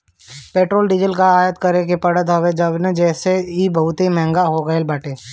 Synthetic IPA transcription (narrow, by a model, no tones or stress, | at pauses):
peːʈɾoːlɖɪd͡ʒəlkaaːjət̪kɐɾekepɐɽət̪ɦɐʋed͡ʒəbned͡ʒɛːseibɐɦʊt̪ɦimɛ̃ɦŋɡaɦoɡəelbaːʈeː